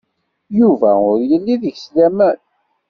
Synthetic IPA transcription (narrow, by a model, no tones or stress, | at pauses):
juvæʊɾjəlːiðəʝslæmæn